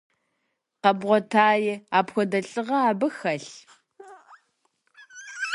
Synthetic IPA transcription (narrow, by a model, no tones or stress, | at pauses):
qɐbʁʷɔtʰaːjɪaːpxʷɔdɐɬʼɨʁɐaːbɨxɐɬ